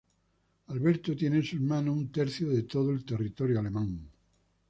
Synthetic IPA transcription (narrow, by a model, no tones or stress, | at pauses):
alβeɾt̪ot̪jenesueɾmãnuunt̪eɾθjoðet̪oðoelt̪erit̪oɾjoalemãŋ